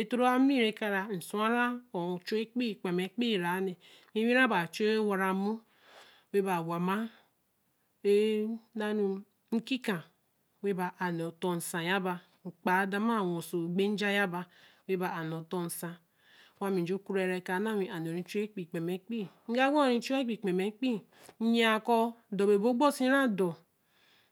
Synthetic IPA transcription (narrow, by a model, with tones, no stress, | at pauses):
e˨to˦ɾo˦a˦mi˦˨ɾe˦ka˦ɾa˨n̩˨su˦a˦ɾa˦o˨t͡ʃo˦e˦k͡pi˦˨k͡pe˨me˨k͡pi˦˨ɾa˨˦ne˨ | mi˦wi˦ɾa˦ba˨t͡ʃo˦wa˨ɾa˨mu˦ | we˦ba˨wa˨ma˦ | e˦na˦nu˦ | ŋ̩˦ki˦ka˨ | we˦ba˨ʔa˨n˨o˨to˨n̩˨sa˨ja˦ba˨ | ŋ͡m̩˨k͡pa˨˦da˦ma˦˨wo˨so˨ɡ͡be˦n̩˦d͡ʒa˦ja˦ba˨we˦ba˨a˨no˨to˦n̩˨sa˨˦ | wa˦mi˨d͡ʒo˦ku˦ɾe˨ɾe˨ka˨˦na˦˨wi˨ʔa˨n˨o˨ɾi˨˦t͡ʃe˦k͡pi˨k͡pe˨me˨˦k͡pi˦ŋ̩˦ɡa˦ɡo˦˨ɾi˨˦t͡ʃo˦e˦k͡pi˨k͡pe˨me˨˦k͡pi˦ | ɲ˦a˨kɔ˦do˨be˨bo˦ɡ͡bo˦si˦ɾa˦dɔ˨